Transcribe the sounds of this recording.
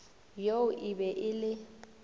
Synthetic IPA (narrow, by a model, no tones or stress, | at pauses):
joʊʔɪbɛʔɪlɪ